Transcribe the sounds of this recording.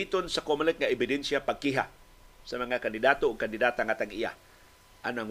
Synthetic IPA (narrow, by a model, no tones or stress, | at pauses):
it̪onsakomlɪk̪̚ŋaɪbɪd̪ɛnsjapaɡ̚kiɦa̰ | samaŋakand̪ɪd̪aːt̪oʊɡ̚kand̪ɪd̪aːt̪aŋat̪aŋʔija̰ | ʔanaŋ